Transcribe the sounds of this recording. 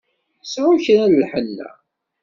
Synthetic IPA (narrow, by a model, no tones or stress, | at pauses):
sʕʊçɾællħənːæ̰